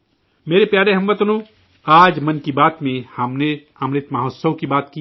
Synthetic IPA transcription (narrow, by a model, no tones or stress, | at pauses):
meːɾepjaːɾeɦɐ̃mʋət̪ʊnõː | aːd͡ʒmɐnkibaːt̪mẽhɐmne | ɐmnet̪mɐɦoːt̪səʋkibaːt̪ki